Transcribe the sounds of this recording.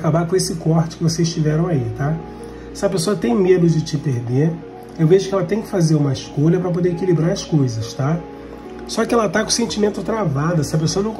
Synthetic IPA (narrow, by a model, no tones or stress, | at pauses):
kabakõesɪkɔɾt͡ʃɪ̥kɪvosezʃt͡ʃivɛɾɐ̃w̃ait̪a | sɪɐpesoɐt̪ẽj̃med̪ʊd͡ʒɪt͡ʃɪpeɾd̪eɾ | ewveʒʊkɪɛlɐt̪ẽj̃kɪ̥fazeɾũmɐɪʃkoʎɐpɾɐp̬od̪eɾekilibɾaɾɐskojzɐʃt̪a | sɔkɪɛlɐat̪akõsẽnt͡ʃimẽnt̪ʊt̪ɾavad̪ɐsɪɐp̬esoɐnɐ̃w̃